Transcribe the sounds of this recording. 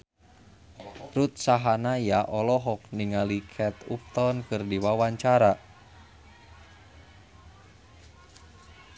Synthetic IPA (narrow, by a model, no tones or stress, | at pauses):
rut̪̚saɦanajaʔɔlɔɦɔk̚niŋalikʰɛt̪up̚t̪ɔnkɨrdiwawaɲt͡ʃaɾa